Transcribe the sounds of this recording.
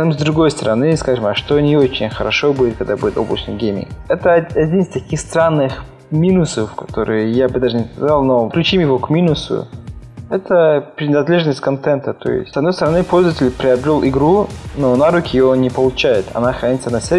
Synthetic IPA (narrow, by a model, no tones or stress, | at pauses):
nɨmzd̪ɾʊɡo̞jst̪əɾɐnɨskaʐɨmɐʂt̪onʲɪot͡ɕɪnʲxəɾɐʂobudʲɪt̪̚kɐɡd̪abudʲɪt̪oblˠə̰t͡ɕnɨ̰jɡʲemʲɪ̰ŋɛt̪əɐdʲinɨsʲt̪ɐkʲixst̪ɾanːɨx | mʲinʊsəffkɐt̪oɾɨjjabɨd̪aʐɨnʲɪskɐzalˠnoklʲʉt͡ɕimjɪvokmʲinʊsʊ̰ɛt̪ʰəpɾʲɪnɐd̪lʲe̞ʐnəsʲtʲkɐnt̪ɛnt̪ət̪o̰jɪ̰stʲsɐd̪no̞jst̪əɾɐnɨpolʲzəvətʲɪlʲpɾʲɪɐbɾʲolˠʔɪɡɾunonaɾukʲɪjɪjonʲɪpəlˠʊt͡ɕajɪt̪ɐ̰naxɾɐnʲit̪sənɐsʲe